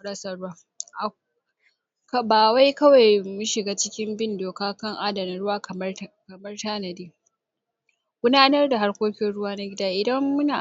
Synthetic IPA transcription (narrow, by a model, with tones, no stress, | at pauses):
ɽɐ˦sɐ˨ɽʊ˦waː˦ | ʔa˨ | kɐ˦baː˨wa˦jkɐ˦wa˨jmʊ˦ʃɪ˨ɡaː˦t͡ʃɪ˦kʲɪ˦mbɪ˦ndoː˨kaː˦kɐ˦ŋʔa˦dɐ˨na˨ɽʊ˦waː˦kkɐ˨mɐ˦rtaː˦nɐ˨deː˦ | ɡʷʊ˦naː˦nɐ˦rda˨ɦa˦rkʷoː˦kʲɪ˦nɽʊ˦waː˦na˦ɡʲɪ˦daː˦ʔɪ˨dɐ˦mːʊ˦naː˨